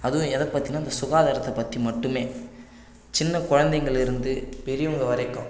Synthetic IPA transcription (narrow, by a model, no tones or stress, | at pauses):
ɐðɯ̃ɛðɐpɐt̪ːinaːɪnd̪ɐsʊɣaːðaːɾɐt̪ːɐpːɐt̪rimɐʈːɯmeː | t͡ʃɪnːɐkʊɻɐnd̪ɐɪŋɡɐɭɪɾɯnd̪ɯpɛɾɪjʊŋɡɐʋɐɾɐɪkːʊ̃